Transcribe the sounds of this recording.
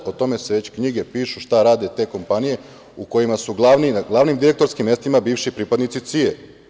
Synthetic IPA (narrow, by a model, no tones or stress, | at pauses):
ot̪o̞me̞seʋe̞t͡ɕkɲiɡe̞piːʃuʃt̪aɾaːd̪e̞t̪e̞ːko̞mpanije̞ | uko̞jimasuɡlˠaʋniaɡlˠaʋnimd̪iɾe̞k̚t̪o̞ɾskimːe̞st̪imabiːʋʃipɾipad̪nit̪sit̪sie